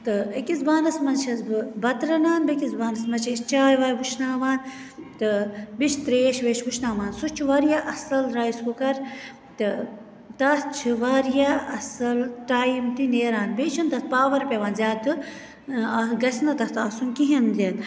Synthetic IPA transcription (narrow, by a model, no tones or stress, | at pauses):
t̪ɨɐkizbaːnɐsmɐnt͡ʃʰɐzbɨbɐt̪ɾɐnaːnbekizbaːnɐsmɐt͡ʃʰɐst͡ʃaːjʋaːjbuʃnaːʋaːnt̪ɨbiʃʰt̪ɾeːʃʋeːʃbuʃnaːʋaːnsut͡ʃʰuʋaːɾjaʔɐsɐlɾaːjskukɐɾ | t̪ɨ | t̪ɐt͡ʃʰiʋɐːɾjaʔɐsɐlʈaːjimt̪ineːɾaːnbet͡ʃʰunt̪ɐt̪̚paːʋɐɾpʲeːʋaːnzʲjaːt̪ɨ | ɐɡɐsnɐt̪ɐt̪ɐːsunkiɦinzʲeːn